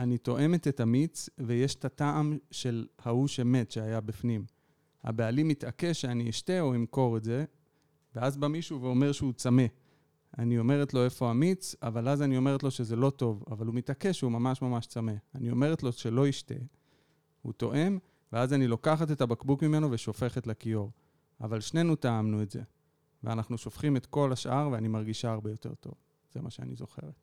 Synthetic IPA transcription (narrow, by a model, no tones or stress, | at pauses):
anito̞ʔe̞me̞tetamit͡sveje̞ʃtataʔamʃe̞lhauʃemetʃeajabifnim | a̰bealimitʔake̞ʃeaniiʃte̞o̞imko̞ʁeze̞ | veazbamiʃuveo̞me̞ʁʃeut͡same̞ | anio̞me̞ʁetlo̞e̞fo̞hamit͡savalazanio̞me̞ʁetlo̞ʃe̞ze̞lo̞to̞vavalumitake̞ʃeumamaʃmamaʃt͡same̞anio̞me̞ʁetlo̞ʃe̞lo̞iʃtḛ | hṵt̪o̞ʔe̞m | ve̞azanilo̞kaχat̪e̞tabakbukmime̞noveʃo̞fe̞χetlekio̞ʁ | avalʃne̞nutaamnuetze̞̰ | veanaχnuʃo̞fχimetko̞laʃʔaʁveanimaʁɡiʃaaʁbe̞jo̞te̞̰ʁt̪o̞̰v | z̥emaʃea̰nizo̞χe̞̰ʁet̪̚